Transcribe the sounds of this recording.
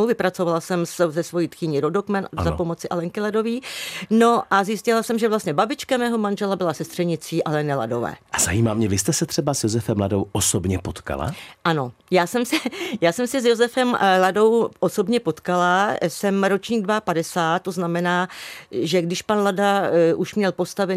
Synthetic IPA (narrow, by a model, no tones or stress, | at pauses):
wvɪpɾat͡so̞valasɛmszɛsvo̞jiːt̪xɪɲɪɾodokmɛnzapo̞mo̞t͡sɪʔalɛŋkɪlado̞viːno̞ʔazjɪscɪlasɛmʒɛvlast̪ɲɛbabɪt͡ʃkamɛːɦomanʒɛlabɪlasɛst̪r̥ɛɲɪt͡siːʔalɛnɛla̰do̞̰vɛ̰ːʔaz̥ajimaːmɲɛvɪst̪ɛsɛt̪r̝̥ɛbasjozɛfɛmladowʔosobɲɛpot̪ka̰la̰ʔano̞jaːsɛmsɛjaːsɛmsɪsjo̞zɛfɛmlado̞wʔoso̞bɲɛpo̞t̪kalasɛmɾo̞t͡ʃɲiːɡdvapadɛsaːt̪̚t̪ːo̞znamɛnaːʒɛɡdɪʃpanladaʔuʃmɲɛlpo̞st̪avɛ